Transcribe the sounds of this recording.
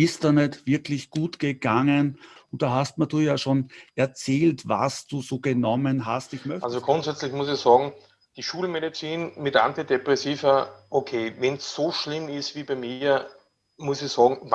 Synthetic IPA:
ɪstd̥aːnɛtv̥ɪɐklɪçɡ̥uːtɡ̥əɡ̥aŋənʊnt̚d̥aːɦast̚maduːjaːʃoːnɛɐt͡sɛːltva̰sd̥uːzoːɡ̥ənɔmənɦastɪçmœalzoɡ̥ʁʊntsɛt͡slɪçmʊsɪçsɑːɡŋ̩ | d̥iʃuːlmeɾit͡siːnmɪtʔã̰ntidepʁɛsiːvɐʔokʰeːvɛnsːoʃlɪmɪstviːbaɪmi | mʊsɪçsɑːɡŋ̩

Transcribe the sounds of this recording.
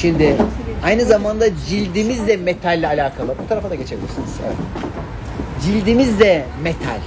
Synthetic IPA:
ʃimd̪ɪajnɯzamand̪ad͡ʒilʲd̪imizd̪ɛmet̪ʰalʲːalʲaːkʰalˠɯbut̪ʰaɾafad̪aɡɟe̞t͡ʃʰebilʲiɾsiniz̥a̰ | d͡ʒilʲd̪imizd̪ɛmet̪ʰa̰lʲ

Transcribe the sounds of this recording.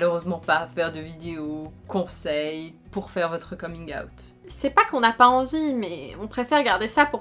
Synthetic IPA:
løʁøzmɑ̃papɛʁd̪əvid̪eokɔ̃sɛj | puʁfɛʁvɔt̪χəkɔmĩŋɡa̰wt̪ | sɛpakɔ̃napaɑ̃vimɛɔ̃pχefɛʁɡaʁd̪esapuʁ

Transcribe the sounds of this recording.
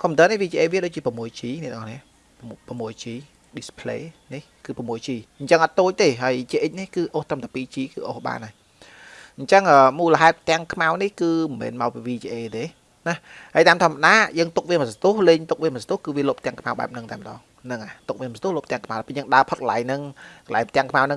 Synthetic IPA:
kʰŏmənt̪əːnihʋiːt͡ɕiʔeːʋiəɗoːc̚t͡ɕiəpəmuəjt͡ɕiːnɛʔt̪əŋʔɑhniə | pəmuəjt͡ɕiː | ɗispʰleːnihkɨːpɑmuəjt͡ɕiːɲt͡ɕəŋʔɑt̪̚ːoːc̚t̪eːɦaəjt͡ɕiəʔəc̚nihkɨːʔoːht̪əmt̪apiːt͡ɕiːkɨ̰ːʔoːhɓa̰ːnaj | ɲ̩t͡ɕəŋʔəːmuːləɦɛɛt̪ːɛ̆əŋkʰmawnihkɨːmɛ̰ːnmaɔpiʋiːt͡ɕiʔeːt̪eː | nahhaəjt̪aːmt̪ʰoɔəmaɗaːjəːŋt̪uk̚ʋiəmasat̪uəhleːɲt̪uk̚ʋiəmasat̪uəhkɨːʋiəloːp̚t̪ɛ̆əŋkʰmawɓa̰ɛp̚nɨŋt̪aɛmə̆ɗɑ̰ːŋ | nɨŋat̪uk̚ʋiəmst̪uhloːpt̪ɛ̆əŋkʰmawapəɲəːŋɗaəpʰot̪̚kəlaɛjŋnɨŋkəla̰jmt̪ɛ̆əŋkʰmawnɨŋ

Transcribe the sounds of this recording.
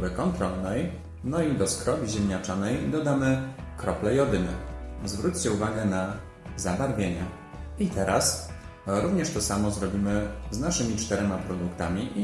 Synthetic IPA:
bɘkɔnt̪ɾɔlnɛj | nɔid̪ɔskɾɔvʲiʑɛmʲɲat͡ʂanɛjd̪ɔd̪amɘ | kɾɔplɛjɔd̪ɘnɛ̰zvɾut͡ɕt͡ɕɛuvaɡɛna | zabaɾvʲjeɲɛ | it̪ɛɾʔas | ɾuvɲɛʂt̪ɔsamɔzɾɔbʲimɘznaʂɘmʲit͡ʂt̪ɛɾɛmapɾɔd̪ukt̪a̰mʲiʔi

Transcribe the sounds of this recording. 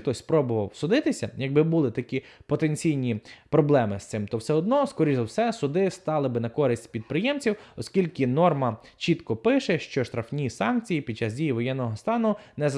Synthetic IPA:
t̪ɔsʲspɾɔbʊʋɐwsʊd̪ɪt̪ɪsʲɐjɐɡ̚bɪbʊlˠɪt̪ɐkʲipɔt̪enʲt͡sʲijnʲipɾɔblˠɛmɪst̪ɪmt̪ɔwsɛɔd̪nɔskɔɾʲiɔwsɛsʊd̪ɪst̪ɑlˠɪbɪnɐkɔɾɪsʲtʲpʲid̪̚pɾɪjɛmt͡sʲiwɔskʲilʲkɪnɔrmɐ | t͡ʃit̪kɔpɪʃɛʃt͡ʃɔʃt̪ɾɐfnʲisɑnkt͡sʲijipʲid̪̚t͡ʃɑzdʲijiʋɔjɛnːɔɦɔst̪ɑnʊnɛz

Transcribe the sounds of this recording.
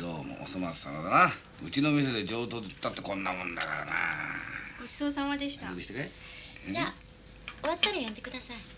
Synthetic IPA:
d̪oːmo̰ʔo̰somasɨ̥a̰ɾod̪ana | ɯ̟t͡ɕino̞mʲis̬ed̪e̞d͡ʑo̞ːt̪oːd̪et̪ːat̪ːekõ̞nːamõ̞nd̪akaɾa̰na̰ɡot͡ɕi̥soːsãɰ̃ad̪e̞ɕi̥t̪aɡiɕit̪ake | d͡ʑaː | oat̪ːaɾajõnd̪e̞kɯ̟d̪asai

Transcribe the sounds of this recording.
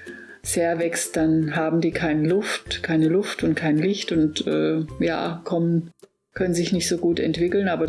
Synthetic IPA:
seːɐvɛkst̚d̥anɦaːbm̩diːkʰaɪnəlʊftkʰaɪnəlʊftʊntkʰaɪnlɪçtʊntʔɛ̰ːja̰ːkʰɔmən | kʰœnənzɪçnɪçtz̥oːɡuːtɛ̰ntv̥ɪkl̩nʔaːbɐ

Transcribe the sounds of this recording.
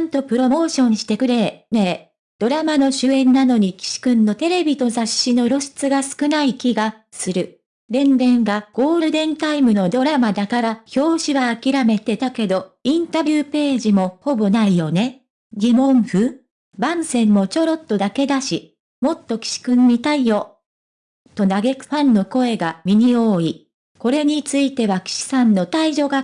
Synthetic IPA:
nt̪o̞pɯ̟ɾo̞mo̞ːɕõ̞ɲ̟ːiɕi̥t̪e̞kɯ̟ɾe̞neː | d̪̥o̞ɾamano̞ɕɨẽ̞nːano̞ɲ̟ikʲi̥ɕi̥kɯ̟̃nːo̞t̪e̞ɾe̞bʲit̪o̞zaɕːino̞ɾo̞ɕi̥t͡sɨɡasɨ̥kɯ̟naikʲiɡa | sɨɾɯ̟ | ɾẽ̞nɾẽ̞ŋɡaɡ̥o̞ːɾɯ̟d̪ẽ̞nt̪aimɯ̟no̞d̪o̞ɾamad̪akaɾaçʲo̞ːɕiβaːkʲiɾame̞t̪e̞t̪ake̞d̪o̞ĩnt̪abʲɯːpe̞ːʑimo̞ho̞bo̞naijo̞ne̞ | ɡʲimõ̞ɰ̃ɸɯ̟ | bãɰ̃sẽ̞mːo̞t͡ɕo̞ɾo̞t̪ːo̞d̪ake̞d̪aɕi | mo̞t̪ːo̞kʲi̥ɕi̥kɯɲːit̪aijo̞ | t̪o̞naɡe̞kɯ̟̥ɸãnːo̞ko̞e̞ɡamʲiɲ̟io̞ːi | ko̞ɾe̞ɲ̟it͡sɨit̪e̞βakʲi̥ɕi̥sãnːo̞t̪aiʑo̞ɡa

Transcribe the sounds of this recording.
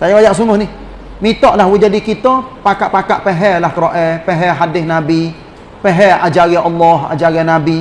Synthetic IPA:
sajaajaʔsuŋʊhnɪh | mit̪ɔʔlahwud͡ʒadikit̪ɔpakaʔpakaʔpɛɦɛlahkɾoʔɛpɛɦɛɦadɪsnabi | pɛɦɛad͡ʒaɣɛʔɔlːɔɦa̰d͡ʒaɣanabi

